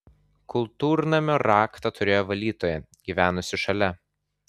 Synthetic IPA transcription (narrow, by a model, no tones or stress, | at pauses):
kʊlˠt̪uːɾnɐmʲoːɾɑːkt̪ɐt̪ʊɾʲeːjoːʋɐlʲiːt̪oːjɛ | ɡʲiʋʲæːnʊsʲɪʃɐlʲɛ